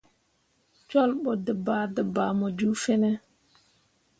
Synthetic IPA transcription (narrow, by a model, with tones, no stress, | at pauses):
t͡ʃɔ˦lɓɔ˨də˨ba˨də˨ba˨mɔ˨d͡ʒu˦fɛ˦nɛ˦